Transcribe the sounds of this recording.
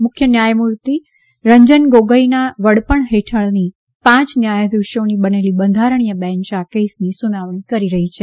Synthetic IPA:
mʊkʰjənjajmuɾt̪i | ɾəɲd͡ʒənɡoɡəinaʋəɽpəɳɦeʈʰəɭni | pãt͡ʃnjajəd̪uʃonibənelibənd̪ʱaɾəɳ̃ijəbɛ̃nt͡ʃakesnisunaʋɳ̃ikəɾiɾəɦit͡ʃʰe

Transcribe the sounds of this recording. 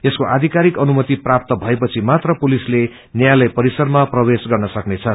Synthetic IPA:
eskoʔad̪ʱikaɾikʌnumʌt̪iprap̚t̪ʌbʱʌepʌt͡sʰimat̪rʌpulisle | njajlʌjpʌɾisʌrmaprʌwesɡʌrnʌsʌknet͡sʰʌ

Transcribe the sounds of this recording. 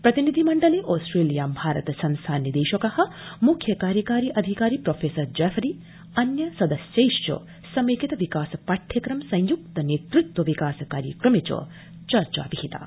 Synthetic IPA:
pɾɐt̪inid̪ʱimɐɳɖɐleːʔoːsʈɾeːlijaːmbʱaːɾɐ̰t̪ɐsɐ̃nst̪ʰaːnjɐd̪eːʃɐkɐhɐ̆mukʰjɐkaːɾjɐkaːɾiːʔɐd̪ʱikaːɾiːpɾoːfʰeːsɐɾd͡ʒɛːfʰɾiː | ɐnjɐsɐd̪ɐsjɐjʃjo̰ | sɐmeːkit̪ɐʋikaːsɐpaʈʰːjɐkɾɐmsɐ̃j̃juk̚t̪ɐneːt̪ɾut̪wɐʋikaːsɐkaːɾjɐkɾɐmet͡ʃɐ̰ | t͡ʃɐɾt͡ʃa̰ːpihit̪a̰ː

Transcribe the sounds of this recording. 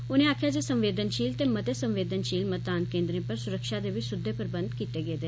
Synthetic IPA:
ʊnẽaːkʰjad͡ʒeːsə̃mʋeːd̪ənʃiːlt̪emət̪esə̃mʋeːd̪ənʃiːlmət̪̚d̪aːnkẽːnd̪ɾẽpəɾsʊɾəkʃad̪eʋɪt͡ʃsʊd̪ʱːepəɾbə̃nd̪kiːt̪eɡeːd̪eː

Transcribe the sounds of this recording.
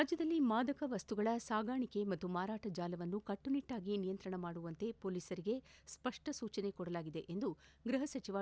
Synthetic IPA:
aːd͡ʒjɐd̪ɐlːimaːd̪ɐkɐʋɐst̪uɡɐɭɐsaːɡaːɳike̞mɐt̪ːumaːɾaːʈɐd͡ʒaːlɐʋɐnːukɐʈːuniʈːaːɡinijɐnt̪ɾɐɳɐmaːɽuʋɐnt̪e̞poːliːsɐɾiɡe̞spɐʂʈɐsuːt͡ʃɐne̞kɔɽɐlaːɡid̪e̞ʔend̪uɡɾɐɦɐsɐt͡ʃiʋa

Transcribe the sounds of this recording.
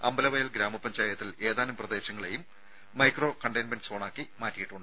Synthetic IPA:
ɐ̰mbɐlɐʋɐjɐlɡɾaːmɐpɐɲd͡ʑaːjɐt̪ːile̞ːðaːnumprɐðe̞ːɕɐŋːɐɭe̞jumː | ɐjkro̞ːkɐɳɖɐjnmenɖso̞ːɳaːkːimaːtːijiʈːuɳɖɨ

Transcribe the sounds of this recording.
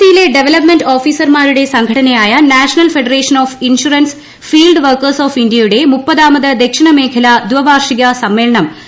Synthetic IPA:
t̪ːijile̞ɖe̞ʋelɐpmenɖo̞ːfiːsɐrmaːɾuɽe̞sɐŋɡʱɐʈɐnɐjaːjɐnaːʂɐnɐlfe̞ɖɐreːʂɐnoːfinʂuɾɐns | fiːlɖʋɐrkɐrsoːfindijɐjuɽe̞mupːɐðaːmɐðɐd̪ekʂɐɳɐme̞ːkʰɐlɐd̪ʋɐʋaːrʂiɣɐsɐmːe̞ːlɐɳɐm

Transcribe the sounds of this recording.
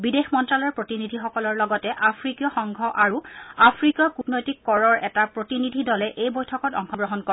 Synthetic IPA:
bidexmɔntɹalɔɔɹpɹotinidʱixɔkɔlɔɹlɔɡɔtɛʔapʰɹikjɔxɔŋɡʱɔʔaɹuapʰɹikjɔkutnojtikːɔɹɔɹɛtapɹotinidʱidɔlɛʔejbojtʰɔkɔtɔ̰ŋxʰɔɡɹɔɦɔnkɔ

